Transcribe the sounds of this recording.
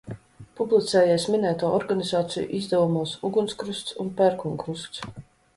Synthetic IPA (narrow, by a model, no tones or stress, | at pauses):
publˠit̪sɛːjɛːsminɛːt̪uɔɔɾɡanizaːt̪sḭjṵʔizd̪ɛvumuːsuɡunskɾust̪sṵnpɛɾkuŋkɾuskt̪s